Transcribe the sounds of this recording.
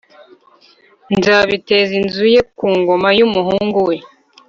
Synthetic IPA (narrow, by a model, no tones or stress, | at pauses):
nzaβite̞zinzuje̞kuːŋɡo̞majumuɦuːŋɡuwe̞